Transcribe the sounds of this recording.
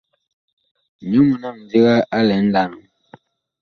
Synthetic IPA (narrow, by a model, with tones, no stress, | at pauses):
ɲu˦mu˨na˦˨m̩˨vi˦ɣa˦ʔa˦lɛ˨˦n̩˦da˦˨nu˨